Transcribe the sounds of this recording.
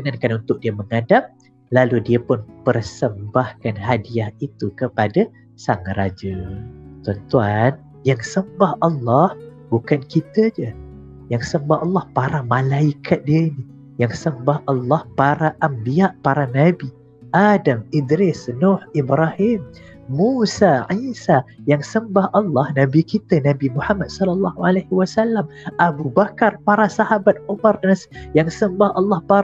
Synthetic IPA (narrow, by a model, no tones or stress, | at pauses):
kənankanunt̪ʊk̚diəməŋadap̚ | laludiapʊnpərsəmbahkanɦadiahit̪ukəpada | saŋaɾad͡ʒət̪uant̪uan | jaŋsəmbahʔɑlːɑh | bukankit̪əd͡ʒə | jaŋsəmbahɑlːɑhpaɾamãlaikʰat̪̚diaini | jaŋsəmbahɑlːɑhpaɾaʔambiaʔpaɾanabi | ʔadamidɾɪsnohibɾahimː | usaʕisajaŋsəmbahʔɑlːɑhnãbikit̪ənãbimuħamat̪̚sɔlɔlːɑhualahiwasalːamabubakarpaɾasahabat̪̚umarnasjaŋsəmbahɑlːɑhpa